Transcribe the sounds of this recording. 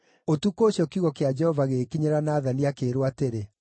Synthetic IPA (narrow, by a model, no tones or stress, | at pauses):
otukoːɕjɔkiuɣɔkead͡ʒɛhɔvaɣeːkiɲeɾanaːðaniakeːɾwateɾe